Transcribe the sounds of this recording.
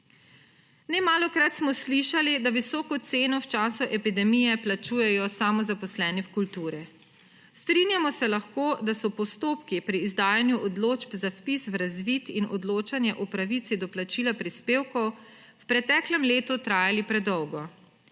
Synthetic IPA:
nɛmaːlɔkɾat̪smɔsliʃalid̪aʋisɔːkɔt̪seːnɔwt͡ʃaːsuʔɛpid̪ɛmijɛplat͡ʃuːjɛjɔsamɔzapɔslɛːniwkult̪uːɾɛ | st̪ɾinjamɔsɛlaxkoːd̪asɔpɔst̪oːpkipɾiːzd̪aːjanjuʔɔd̪loːd͡ʒbzafpiswɾazʋit̪inɔd̪loːt͡ʃanjɛʔɔpɾaʋit̪sid̪ɔplat͡ʃilapɾispeːwkɔw | wpɾɛt̪ɛːklɛmleːt̪ut̪ɾaːjalipɾɛd̪ɔwɡɔ

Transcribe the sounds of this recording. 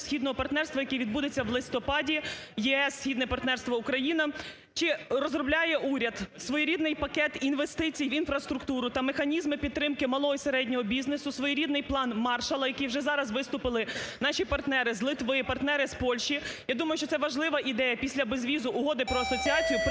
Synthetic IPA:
sʲxʲid̪nɔɦɔpɐrt̪nɛrst̪ʋɐjɐkʲiʋʲid̪bud̪et͡sʲːɐʋlˠɪst̪ɔpɑdʲijɛɛsːʲxʲid̪nɛpɐrt̪nɛrst̪ʋɐʊkɾɐjinɐ | t͡ʃɪrɔzrɔblʲajɛʔuɾʲɐd̪sʋɔjiɾʲid̪nɪjpɐkɛt̪inʋest̪ɪt͡sʲijʋinfɾɐst̪ɾʊkt̪uɾʊt̪ɐmexɐnʲizmɪpʲid̪̚t̪ːɾɪmkɪmɐlˠɔɦɔiseɾɛdʲnʲɔɦɔbʲiznesʊsʋɔjiɾʲid̪nɪjplˠɑnmɑrʃɐlˠɐjɐkʲiwʒɛzɑɾɐzʋɪst̪ʊpɪlˠɪnɑʃʲipɐrt̪nɛɾɪzlˠɪt̪ʋɪpɐrt̪nɛɾɪspɔlʲʃijad̪umɐjʊʃt͡ʃɔt̪ɛʋɐʒlˠɪʋɐʔid̪ɛjɐpʲisʲlʲɐbezʋʲizʊʔʊɦɔd̪ɪpɾɔɐsɔt͡sʲiɑt͡sʲijʊp

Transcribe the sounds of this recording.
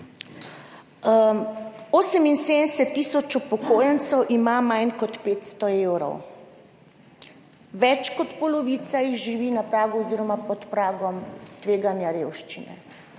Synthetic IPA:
osəminsed̪ənsɛt̪ːisɔt͡ʃupɔkojənt̪sɔwʔimamajnkɔt̪peːt̪st̪ɔewɾɔ̰w | ʋɛt͡ʃkɔt̪pɔlɔʋiːt̪sajiɣʒiʋinapɾaːɡuɔziɾɔmapɔt̪pɾaːɡɔmt̪ʋeːɡanjaɾewʃt͡ʃinɛ̰

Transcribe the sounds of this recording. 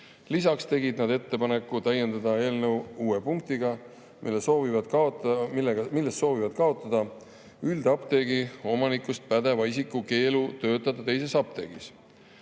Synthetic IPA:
lisɑkst̪e̞ɡid̪̥nɑd̪e̞t̪ːe̞pɑne̞kːut̪æje̞nd̪̥ɑd̪ɑe̞ːlnəwuːepuŋk̚t̪iɡɑ | milesoːvivɑd̪kɑomileɡɑmilːest̪ːso̞ːvivɑd̪̥kɑo̞t̪ːˑɑd̪̥ɑ | yld̪̥ɑpt̪e̞ːɡio̞mɑnikːˑust̪̚pæd̪e̞vɑisikːˑuke̞ːlut̪ø̞ːt̪ˑːɑd̪̥ɑt̪ejse̞sɑp̚t̪e̞̰ɡ̥is

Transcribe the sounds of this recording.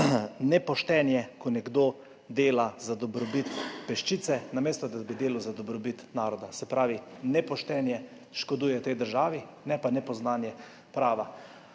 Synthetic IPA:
nɛpɔʃt̪ɛːnjɛkɔnɛɡd̪o | d̪eːlazad̪ɔbɾɔbit̪pɛʃt͡ʃit̪sɛnameːst̪ɔd̪abid̪eːlawzad̪ɔbɾɔbit̪naːɾɔd̪asɛpɾaːʋinɛpɔʃt̪ɛːnjɛ | ʃkɔd̪uːjɛwt̪ɛjd̪əɾʒaːʋi | nɛpanɛpɔznaːnjɛ | pɾaːʋa

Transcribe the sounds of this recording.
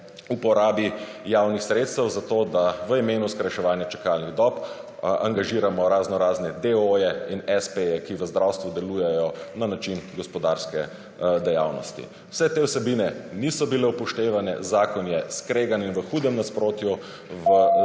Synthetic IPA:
upɔɾaːbijawnixsɾet̪st̪əwzat̪oːd̪aʋəimeːnuskɾajʃɛʋaːnjat͡ʃɛ̥kalniɣd̪ɔp | a̰ŋɡaʒiːɾamɔɾaznɔɾaːznɛd̪eojɛinɛspejɛkiʋəzd̪ɾawst̪ʋud̪ɛlujɛjɔnanat͡ʃinɡɔspɔd̪aɾskɛ̰ | d̪ɛja̰wnɔ̰st̪ḭ | w̥sɛt̪eːwsɛbinɛnisɔbilɛupɔʃt̪eːʋanɛ̰zaːkɔnjɛskɾeːɡaninʋəxuːd̪ɛmnaspɾoːt̪ju | ʋə

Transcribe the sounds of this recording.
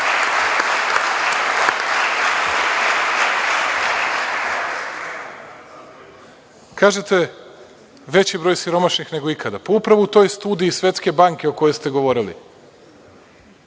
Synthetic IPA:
kaːʒet̪e̞ | ʋe̞t͡ɕibɾo̞ːjsiɾo̞maʃnixne̞ɡo̞ikʰad̪apo̞upɾaʋut̪o̞jst̪uːd̪iːsʋe̞t̪ske̞baŋke̞o̞ko̞jest̪e̞ɡo̞ʋo̞ɾilḭ

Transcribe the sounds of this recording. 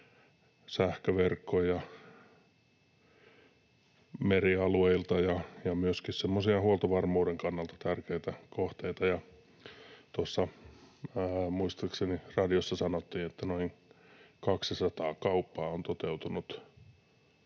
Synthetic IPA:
sæhkøʋerkːojjɑ | meriɑlueilt̪ɑjɑjɑmyøskissemːosiɑhuolt̪oʋɑrmuːdeŋkɑnːɑlt̪ɑ̥t̪ærkeit̪ækoht̪eit̪ɑjɑ | t̪osːɑ | muist̪ɑksenirɑdiosːɑsɑnot̪ːiːet̪ːænoiŋkɑkssɑt̪ɑːkɑupːɑːont̪ot̪eut̪unut̪

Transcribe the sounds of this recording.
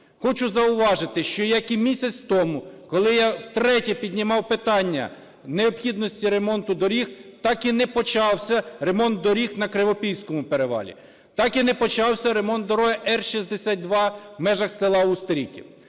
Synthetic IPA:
xɔt͡ʃʊzɐʊʋɑʒɪt̪ɪʃt͡ʃɔjakimʲisʲɐt͡sʲt̪ɔmʊkɔlˠɪjawt̪ɾɛtʲipʲid̪ʲnʲɪmɑwpɪt̪ɑnʲːɐ̰ | neɔpxʲid̪nɔsʲtʲiɾe̞mɔnt̪ʊd̪ɔɾʲixt̪ɑkinɛpɔt͡ʃɑwsʲɐɾemɔnt̪̚d̪ɔɾʲixnɐkɾɪʋɔpʲiwsʲkɔmʊpeɾeʋɑ̰lʲḭ | t̪ɑkinɛpɔt͡ʃɑwsʲɐɾemɔnt̪̚d̪ɔɾɔɦɐʔɛrʃisʲd̪esʲat̪̚ʲd̪ʋɑmɛʒɐxsɪlˠɑust̪ɾʲikʲḭ

